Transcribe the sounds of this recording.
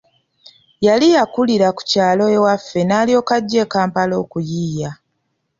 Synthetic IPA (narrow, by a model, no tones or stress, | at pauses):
jalijakuliɾaku̥caːlo̞ewafːe̞naːlijo̞ːkaɟːe̞kaːmpalo̞ːkujiːja